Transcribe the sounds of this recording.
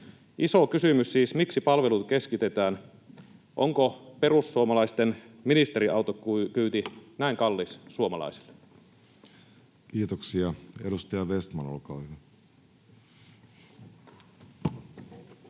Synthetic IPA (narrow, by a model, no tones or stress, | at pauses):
ʔisokysymyssiːsmiksipɑlʋelut̪̚keskit̪et̪æːn | ʔo̰ŋkoperusːuomɑlɑist̪en | minist̪eɾiʔɑwt̪okkyːt̪inæiŋkɑlːissuomɑlɑ̰isi̥lːe̥ | kiːt̪oksiɑedust̪ɑjɑʋest̪mɑno̰lkɑile